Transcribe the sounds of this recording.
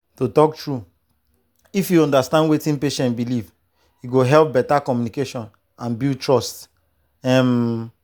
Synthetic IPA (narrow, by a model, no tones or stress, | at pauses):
totɔk̚tɹu | ifjuɔ̃ndastãndwetĩnpeʃɛ̃ntbiliv | juɡoɦɛlp̚bɛtakɔmjunikeʃɔ̃n | ãnbiltɹɔst | ɛ̃m